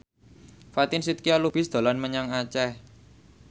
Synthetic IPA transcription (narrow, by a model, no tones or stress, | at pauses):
fat̪ɪnsit̪̚kialub̥ɪ̤sd̪̥a̤lanməɲaŋat͡ʃɛh